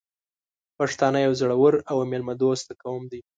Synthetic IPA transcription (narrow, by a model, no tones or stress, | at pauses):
paʂt̪ɑnajawzaɽawəɾawmelmad̪ost̪akawəmd̪i